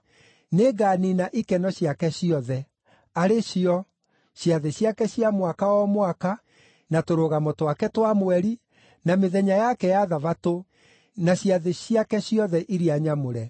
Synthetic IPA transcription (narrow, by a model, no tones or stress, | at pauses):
neɡaninaʔikɛnɔɕiakɛɕiɔðɛ | aɾeɕiɔ | ɕjaðeɕiakɛɕjamwakaɔmwaka | natoɾoɣamotowakɛtwamoɛɾi | nameðɛɲajakɛjaðaβato | naɕiaðeɕiakɛɕiɔðɛʔiɾiaɲamoɾɛ